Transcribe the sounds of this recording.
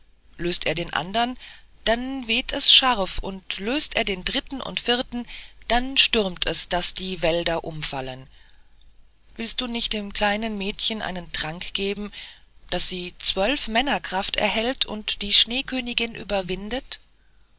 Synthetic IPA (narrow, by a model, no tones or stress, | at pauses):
løːstʔeːɐdeːnʔa̰ndɐnd̥anveːtʰɛsʃaʁfʊntløːstʔeːɐdeːndʁɪtn̩ʔʊ̰ntfɪɐtn̩d̥anʃtʏʁmtʰɛsd̥asd̥iːvɛldɐʔʊmfalən | v̥ɪlstd̥uːnɪçt̚d̥ɪːmkl̥aɪnənmɛːtçənʔa̰ɪnəntʁ̥aŋkɡ̥eːbm̩ | d̥asz̥iːt͡sv̥œlfmɛnɐkʁ̥aftɛ̰ɐhɛltʰʊ̰ntd̥iːʃneːkʰøːnɪɡɪnʔy̰ːbɐvɪndət